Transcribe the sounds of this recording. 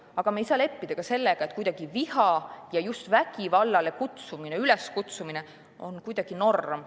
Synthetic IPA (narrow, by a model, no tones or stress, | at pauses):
ɑɡ̥ɑmejsɑːle̞pːid̪̥ɑkɑse̞lːeɡ̥ɑet̪̚ːˑkujd̪̥ɑɡ̥ivihɑjɑjust̪væɡ̥ivɑlːɑle̞kut̪sumineyleskut̪sumine | o̞nkujd̪̥ɑɡ̥ino̞rːem